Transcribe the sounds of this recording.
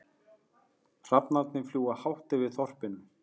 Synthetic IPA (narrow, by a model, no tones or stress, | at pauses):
r̥apnat̪nɪfljuːɣahawht̪ɪvɪðθɔr̥pɪnʏm